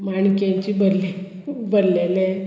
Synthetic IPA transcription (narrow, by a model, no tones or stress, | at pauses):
maɳkẽɲt͡ɕibəɾle | bəɾlele